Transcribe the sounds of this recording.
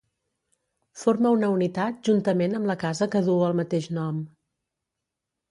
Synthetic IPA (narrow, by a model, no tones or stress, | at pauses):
foɾməunəunit̪at̪̚ʒunt̪əmenəmləkazəkəðuəlˠmət̪eʃnɔm